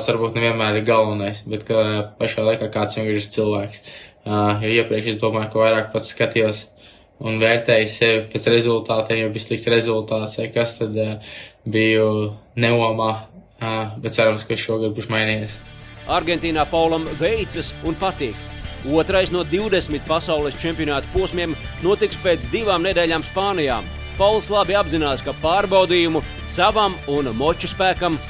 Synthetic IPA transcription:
t̪aɾbuːt̪nɛviɛnmæːɾiɾɡalˠʋanajsbɛt̪kapaʃaːlˠajkaːkaːt̪ssʲiɛŋɡɾɾist̪sɨlˠʋæːks | jɔiɛpɾiɛkʃɛzd̪uɔmaːjkaʋajɾaːk̚pat̪sskat̪ijuɔs | unvɛːɾt̪ɛːjsːɛʋpɛsɾɛzulˠt̪aːt̪ɛːjɛvislˠikt̪sɾɛzulˠt̪aːt̪sʋajkast̪ad̪ | bijunɛuɔmaː | bɛt̪t̪saɾumskaiʃʃuɔɡd̪̚buːʃmajnijeːsaɾɡent̪iːnaːpawlˠamvejt̪sɨsunpat̪iːkuɔt̪ɾajsnuɔd̪iwd̪esmit̪̚pasawlˠist͡ʃempʲiɔnaːt̪u̥puɔsmʲiɛm | nuɔt̪ikspeːt̪sd̪ivaːmned̪eːʎʲaːmspaːnija̰ːm | pawlˠslˠabiabzinaːskapaːɾbawd̪iːjumu | savamunmɔt͡ʃuspæːkam

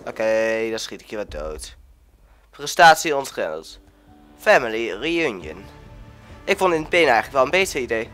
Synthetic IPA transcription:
ʔokedɑsχitɪ̥khiːɹʋɛdo̰wt | prɛstaːtsiɔntχɛ̰nə̰lˠt | fɛmɪliriʉnjə̰n | ʔɪkfɔ̃ndɪndəbenɛjχələkʋɛlˠənbetəidej

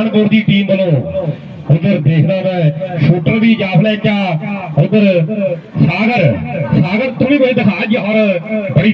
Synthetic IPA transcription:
nboːɾd̪iːʈiːmbəlõː | ʊnd̪əɾd̪eːkʰnãːmɛ̃ʃuːʈːəɾbiːd͡ʒaːpʰlɛːkjaːʊnd̪əɾ | saːɡəɾsaːɡəɾt̪ʊɽ̃ĩːbəiːt̪əkʰaːd͡ʒɔːɾbəɽiː

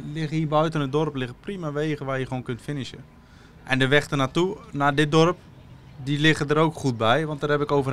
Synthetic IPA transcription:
lɪɣəibœɥtənədɔrplɪɣəprimaʋeːɣəʋajəəʋoːnkøntfɪnɪʃə | ʔɛndəʋɛxtənatunadɪt̚dɔrp | dilɪɣədəɾowkχut̚bɛjʋɔntdərhɛpɪkowvə

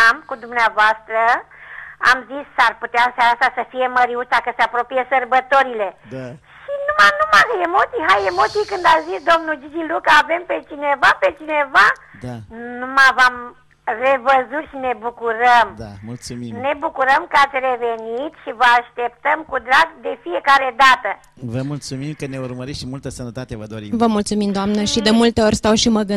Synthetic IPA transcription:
amkud̪umnavast̪ɾə | a̰mzisːaɾput̪jansaɾasasəfijeməɾiust̪akəsapɾopijəsəɾbət̪oɾileʃinumanumakəjemot̪iɦajemot̪ikɨnd̪azizd̪omnud͡ʒid͡ʒilukavempet͡ʃinevapet͡ʃineva | numavam | re̞vəzut̪ʃine̞bukuɾəmd̪amult̪sumine̞bukuɾəmkəat̪sʲrevenit̪ʃivəaʃt̪e̞p̚t̪əmkud̪ɾaɡd̪e̞fie̞kaɾe̞d̪at̪ə | vəmult̪sumimkəneurməɾit̪ʃimult̪əsənət̪at̪evəd̪o̞ɾḭmvəmult̪sumimd̪oamnəʃid̪e̞mult̪e̞o̞rʲst̪awʃiməɡɨ

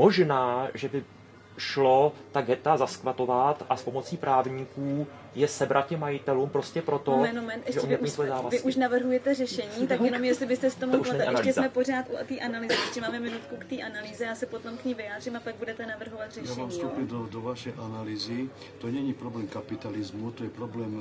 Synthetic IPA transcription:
mo̞ʒnaːʒɛbɪ | ʃlot̪aɡɛt̪azaskvat̪o̞vat̪ʔaspomo̞t͡siːpɾaːvɲiːkuː | jɛsɛbɾʔat̪̚cɛmːajɪt̪ɛluːmpɾo̞scɛpɾo̞t̪oɛnomɛnt̪ʔɛʒɛʔoɲmiːsvojɛzaːvasvɪʔuʃnavr̩ɦujɛt̪ɛrɛʃɛɲiːt̪akjɛnomjɛst̪lɪbɪst̪ɛsɪ̥t̪omuɛɛʃlicɛsmɛpo̞raːt̪ʔut̪iːʔanaliːzɛɛʃcɛmaːmɛmɪnut̪kukt̪iːʔanaliːzɛjaːsɛpot̪omkɲiːvɪjaːd̪r̝iːmapaɡ̚budɛt̪ɛnavr̩ɦovat̪rɛʃjaɛmaːmfstːt̪upid̪ɔʋaʃɛjʔanaliːzi | t̪oɲɛɲipɾɔblɛːmkapit̪alizmut̪ojɛpɾɔblɛːm

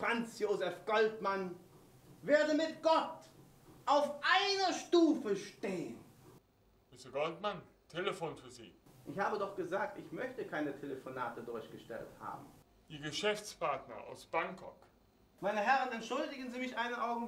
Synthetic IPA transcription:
fʁ̥ant͡sjoːzɛfɡ̥ɔltman | veːɐdəmɪt̚ɡ̥ɔt | ʔaʊfʔaɪnɐʃtuːfəʃteːən | mɪsəɡɔltman | tʰeləfoːnfyːɐzḭːʔɪçhaːbədɔχɡ̥əzaːk̚tɪçmœçtəkʰaɪnətʰeləfonaːtədʊɐçɡ̥əʃtɛ̰ltha̰ːbm̩ | d̥iːɐɡəʃɛft͡spʰaɐtnɐ̰ʔa̰ʊsb̥aŋkʰɔk | maɪnəɦɛʁənɛntʃʊldɪɡən̩ziːmɪçʔaɪnəʔaʊɡŋ̩

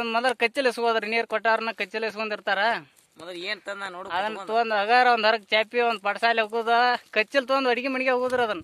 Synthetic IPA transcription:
ɐndmɐlɐlkɐt͡ʃːilesuɣoːd̪ɐɾinijɐɾkɔʈːaːɐɾɐnːɐkɐt͡ʃːilesukond̪iɾt̪aːɾɐː | ɐd̪ɐnːt̪oːnd̪ɐɣaːɾɐɔnd̪ɐɾɐkːt͡ʃaːpːiɔnd̪pɐɽɐsaːlɐɡuːd̪akɐt͡ʃːilt̪̬oːnd̪ɐɽiɡimɐɳkeɐɣuːd̪ɐɾɐd̪ɐnː

